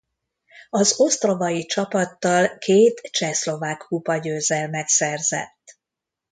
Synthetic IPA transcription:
ɒzo̞st̪ro̞vɒjit͡ʃɒpɒt̪ːɒlkʰeːt̪t͡ʃɛslo̞vaːkhupɒɟøːzɛlmɛksɛrzɛ̰t̪ː

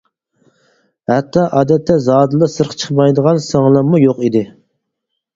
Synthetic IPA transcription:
hɛt̪ʰːɑʔɑːd̪ɛt̪ʰːɛzɑːd̪ɨlˠəsɨɾqʰə̥t͡ʃʰə̥χmɑjd̪əʁɑnsɑŋlˠɑmujoqid̪ɪ

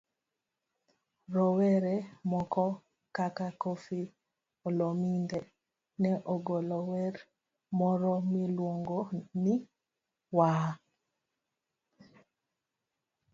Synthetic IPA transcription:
ɾɔwɛɾɛmɔkɔ | kakakofi | olomindɛ | nɛʔoɡolɔwɛɾ | mɔɾɔmilwoŋɡoni | wa

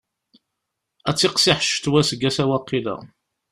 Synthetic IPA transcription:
æt͡sːɪqsiħʃt̪wæsəɡːæsæwɑqːilæ̰

